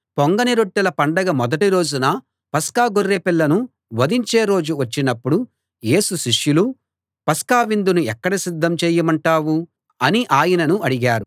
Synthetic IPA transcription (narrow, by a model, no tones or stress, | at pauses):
poŋɡɐniɾoʈːilɐpɐɳɖɐɡɐmɔd̪ɐʈiɾo̞ːd͡ʒunɐ | pɐskaːɡorːeːpilːɐnu | ʋɐd̪iɲt͡ʃe̞ːɾo̞ːd͡ʒuʋɐt͡ʃːinɐpːuɽu | je̞ːsuʃiʂjulu | pɐskaːʋind̪unuɛkːɐɽɐsid̪ʱːɐmt͡ʃeːjɐmɐɳʈaːʋu | ɐniʔaːjɐnɐnuʔɐɽiɡaːɾu